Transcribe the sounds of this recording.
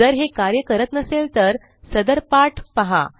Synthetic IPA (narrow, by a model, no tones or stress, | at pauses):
əɾɦekaɾjəkəɾət̪nəselt̪əɾ | səd̪əɾpaʈʰpəɦa̰